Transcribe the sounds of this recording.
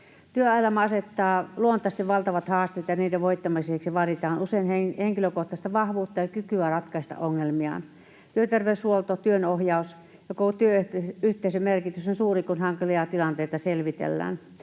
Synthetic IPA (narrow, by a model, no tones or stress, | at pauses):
t̪yøɑelɑmɑɑset̪ːɑːluont̪ˑɑst̪eʋʋɑlt̪ɑʋɑt̪hɑːst̪eːt̪jɑniːdeʋoit̪ːɑmiseksiʋɑrit̪ɑːnuseinheheŋkiløkoht̪ɑst̪ɑʋɑhʋuːt̪ːɑjɑkykyærɑt̪kɑist̪ɑ̰ʔoŋːelmiɑ̰n | t̪yøt̪erʋeyshuolt̪ot̪yønohjɑus | jokot̪yøyht̪eisømerkit̪ysonsuːrikunhɑŋkiliɑt̪ilɑnt̪eit̪ɑselʋit̪ḛlːæ̰ːn